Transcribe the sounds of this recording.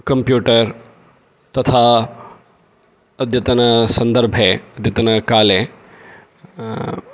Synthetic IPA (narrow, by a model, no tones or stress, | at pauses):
kɐmpjuːʈəɾ | t̪ɐt̪ʰa | ɐd̪ʱjɐt̪ɐnɐsɐ̃nd̪əɾbʱeɐd̪ʱjɐt̪ɐnɐkaːle